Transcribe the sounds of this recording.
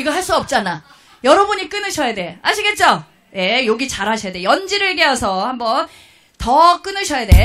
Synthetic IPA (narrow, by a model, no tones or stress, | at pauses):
iɡʌɭɦaɭs͈uʌp̚t͡ɕ͈ana | jʌɾʌbuɲik͈ɯnɯɕʰʌjade̞haɕʰiɡe̞t̚t͡ɕ͈o | je̞joɡit͡ɕaɾɦaɕʰʌjade̞jʌnd͡ʑiɾɯɭke̞ʌsʰʌhambʌn | tʌk͈ɯnɯɕʰʌjade̞